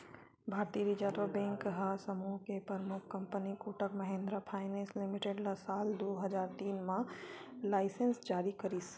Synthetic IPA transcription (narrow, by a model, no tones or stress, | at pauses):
bʱaːɾt̪iɾid͡ʒaːt̪ʋəbɛ̃ːŋkɦasəmuːɦkepɾəɾmʊkʰkɐ̃mpənikuːʈəkmɐɦẽːnd̪ɾapʰaːɪnẽːslɪmɪʈeɖlasaːld̪oːɦɐd͡ʒaːɾt̪iːnmãlaːɪsə̃nsd͡ʒaːɾikɐɾiːs